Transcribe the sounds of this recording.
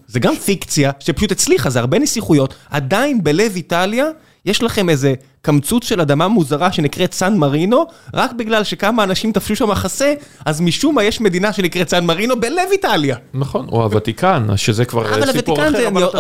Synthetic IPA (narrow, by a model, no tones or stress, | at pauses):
zeɡamfikt͡sjaʃepḁʃut̪et͡sliχazeaʁbe̞nisliχujo̞t̪a̰d̪ainbelevitalja | je̞ʃlaχe̞me̞ze̞ | kamt͡sut͡sʃelad̪amamuzaʁaʃe̞nikʁetsanmaʁino̞ʁakbiɡlalʃe̞kamaːnaʃimt̪afʃuʃamaχase̞azmiʃumajeʃme̞d̪inaʃe̞nikʁetsanmaʁino̞bele̞vitaljanaχo̞no̰a̰vat̪ikana̰zʃezekva̰ʁavalavat̪ikanzeani